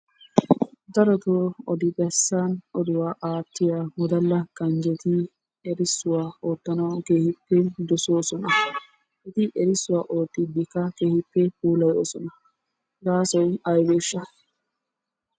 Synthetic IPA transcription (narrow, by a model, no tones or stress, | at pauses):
d̪ɐɾɔt̪oːɔd̪ɪbɛsːaːnɔd̪ɪwaːʔaːt̪ːɪjamɔd̪ɐlːɐkʼɐnd͡ʒɛt̪ɪ | ɛɾɪsːʊwaːoːt̪ːɐnɐwkeːhɪpːɛd̪ɔsoːsɔnɐ | ʔɪt̪ɪʔɛɾɪsːʊwaːʔoːt̪ːɪbɪkːɐkeːhɪpːɛpuːlɐjo̰ːsɔnɐ | ɡaːsɔjɐjweːʃːɐ